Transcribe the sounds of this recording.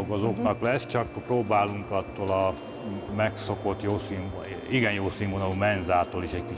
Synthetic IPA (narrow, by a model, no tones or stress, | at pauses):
kozoknɒklɛst͡ʃɒkproːbaːluŋkɒt̪ːoːlɒ | mɛkso̞ko̞t̪joːsiːɱ | iɡɛnjoːsiːmvonɒlumɛnzaːt̪oːliʃɛcki